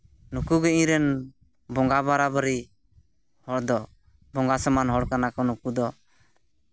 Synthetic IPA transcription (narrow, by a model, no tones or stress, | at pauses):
nukuɡɛĩɾɛn | bɔŋɡaβaɾabəɾi | hɔɽd̪ɔ | bɔŋɡasəmanɦɔɽkanakɔnukud̪ɔ